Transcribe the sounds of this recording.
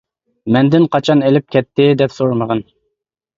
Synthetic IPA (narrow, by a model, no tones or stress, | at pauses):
mɛnd̪ɪnqʰɑt͡ʃʰɑnelɪp̚kʲɛt̪ʰːɪd̪ɛpsoɾməʁən